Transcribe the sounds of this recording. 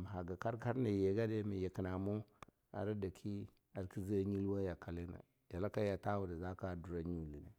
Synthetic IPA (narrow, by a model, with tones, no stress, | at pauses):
ma˨ɦa˨ɡa˨ka˦ɾka˦ɾna˨je˨ɡa˦de˦mi˨je˨ki˨na˨mo˦ | a̰˨ɾa˦da˨kʰi˦ | a˨ɾki˦zi˦ɲi˦lwa˦ja˨ka˨li˦na̰˨ | d̥a˨la˦ka˦ja˨ta˦wu˨da˨za˦ka˦du˨ɾa˦ɲu˦li˨ne˨